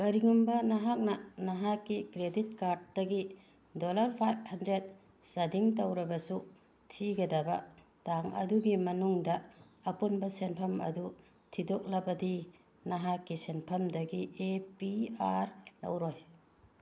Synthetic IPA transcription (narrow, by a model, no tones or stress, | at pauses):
bɐɾiŋumbɐnɐɦak̚nɐnɐɦakːikɾedit̚kaɾd̚dɐɡi | dolɐɾpʰajb̚hɐndɾet̚ | sɐdiŋt̬ɐwɾɐbɐsu | tʰiɡɐdɐbɐ̰ | taŋɐ̰duɡimɐnuŋdɐ | ɐpunbɐsenpʰɐmɐ̰du | tʰidok̚lɐbɐdi | nɐɦakːisenpʰɐmdɐɡiʔepiaɾlɐ̰wɾoj